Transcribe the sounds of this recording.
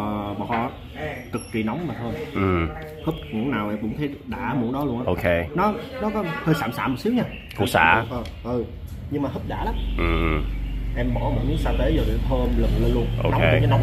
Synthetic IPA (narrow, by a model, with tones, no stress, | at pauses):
ɓɔ̰˧˨˩ | t̪ɨ˨˩kːi˧˩nɔ˨˦wŋ͡mmaː˨˩t̪ʰoː˧jʔɨ˨˩m | hə˦˥p̚ŋṵ˧˩ənaː˨˩wʔɛ˧mkʊ̰˧˥˦ŋ͡mt̪ʰe˨˦ɗa̰ː˧˩mu˨˩˦nɗɔ˨˦lu˧ənʔaː˧ʔo˧kʰe˧nɔ˨˦nɔ˨˦kɔ˨˦həː˧jsaː˧˩msaː˧˥m˨˩t̚si˨˦wɲaː˧ | kṵ˧˩˦sa̰ː˨˧˩ʔə˧˩ | ʔɨ˨˩ | ɲɨ˧ŋmaː˨˩ɦɨ˦˥p̚ɗa̰ː˧˩la˨˦mʔɨ˨˩˨ʔɛ˧mɓɔ̰˧˩˦mo˨˩t̚ɲɨ˨˦saː˧t̪e˨˦zɔː˨˩ɗḭ˨˩t̪ʰəː˧mlə̰˨ŋle˧nlu˧ənʔo̰˧˨˧e˧˨ə˨˦na˨˦